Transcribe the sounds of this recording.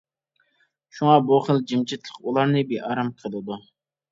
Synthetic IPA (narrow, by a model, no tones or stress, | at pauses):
ʃuŋɑbuχəlˠd͡ʒimt͡ʃʰit̪lˠəqulˠɑɾnɨbiʔɑɾɑmqʰəlˠɨd̪u